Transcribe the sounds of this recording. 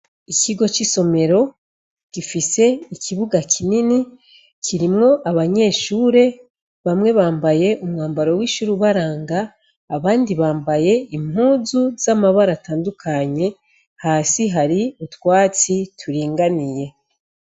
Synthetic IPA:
iciɡo̞t͡ʃiso̞me̞ɾo̞ | ɡ̥ifise̞ikʰiβuɡakʰinini | kʰiɾimŋo̞ʔaβaɲe̞ːʃuːɾe̞ | βamŋe̞βaːmbaje̞ʔumŋaːmbaɾo̞wiʃuːɾuβaɾaːŋɡaː | βaːndiβaːmbaje̞im̥uːzuz̥amaβaɾataːndukʰaɲe̞ | haːsiɦaɾiutwaːt͡sitʰuɾiːŋɡanije̞

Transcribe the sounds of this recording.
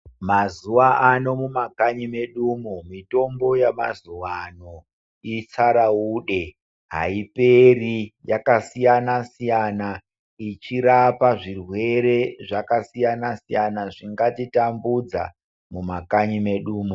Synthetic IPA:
mazuʋaano̞mumakaɲime̞ɗuːmumito̞mbo̞jama̰zuʋano | it͡saɾauːɗe̞ | ɦa̰iperijakasijanasijana | it͡ʃiɾapaʐirwe̞ɾe̞ʐakasijanasijanaʐiŋɡatitambud͡za̰ | mumakaɲime̞ɗuːmu

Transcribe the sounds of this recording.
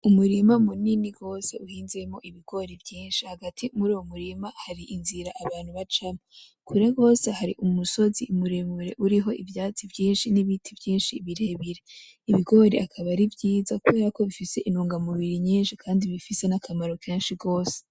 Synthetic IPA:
umuɾimamuniniɡo̞ːse̞uhiːnze̞mo̞ʔiβiɡo̞ɾevjiːnʃihaɡatʰimuɾuːwomuɾimahaɾiʔinziɾaʔaβaːnhuβat͡ʃamo | kʰuɾeɡo̞ːse̞haɾiʔumuso̞ziumuɾemuɾe̞̰ʔuɾiɦo̞ʔivjaːt͡sivjiːnʃiniβitʰivjiːnʃiβiɾe̞βiɾe | iβiɡo̞ɾeʔakʰaβaɾivjiːzakuβe̞ːɾako̞βifise̞ʔinuːŋɡamuβiɾiɲiːnʃikʰaːndiβifise̞nakʰamaɾo̞kʰeːnʃiɡo̞ːse̥

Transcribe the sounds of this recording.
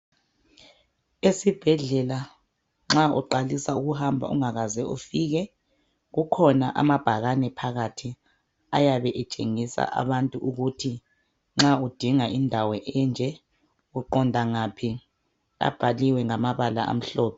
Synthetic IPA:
esib̥ʱɛɮɛla | ŋ͡ǁaṵǃalisauɣuhambʱa̰ṵŋaɣazɛʔofiːɣɛ | ɣukʰɔnaʔa̰mab̥ʱaɣanɛpʰaɣatʰi | ajaβɛʔɛt͡ʃʼḛŋisa̰ʔa̰βantʼuʔuɣutʰi | ŋ͡ǁaud̥ʱiŋaʔindʱawɔʔɛnd͡ʒʱɛ | ɣuǃɔndʱaŋapʰi | a̰b̥ʱaliwɛŋamaβala̰ʔa̰m̩ɬɔːpɛ

